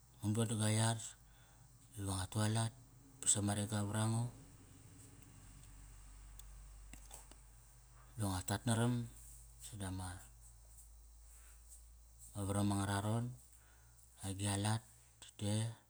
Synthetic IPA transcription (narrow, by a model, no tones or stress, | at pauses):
munduadaɡajar | llaŋatualat̚ | pḁsamaɾeɡaβaɾaŋo | luaŋatatnaɾam | sadama | aβaɾamaŋaɾaɾo̞n | aɡialatː | te